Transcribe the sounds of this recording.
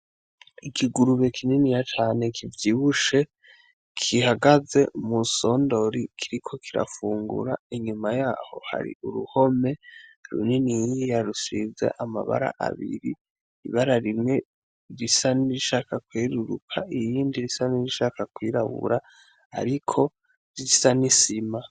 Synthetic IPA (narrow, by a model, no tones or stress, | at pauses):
ikʰiɡuɾuβe̞kʰininijat͡ʃaːne̞kʰivjiːβuʃe̞ | kʰihaɡaze̞muso̞ːndo̞ɾikʰiɾikʰo̞kʰiɾa̰fuːŋɡṵɾa̰iɲumajaːho̞̰ha̰ɾḭuɾuho̞me̞ɾṵninijijaɾusize̞̰ʔama̰βa̰ɾa̰ʔa̰βḭɾi | iβaɾaɾimŋe̞ | ɾisaniɾiʃaːkakwiːɾuɾukʰaʔijiːndiɾisaniɾiʃaːkakwiːɾaβṵɾa | a̰ɾikʰo̞ | ɾisanisima